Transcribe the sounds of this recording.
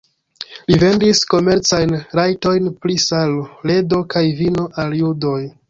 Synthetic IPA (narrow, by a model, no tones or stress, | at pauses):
live̞ndisko̞me̞ɾt͡sajnɾajto̞jnplisalole̞do̞kajvino̞ʔaljudo̞j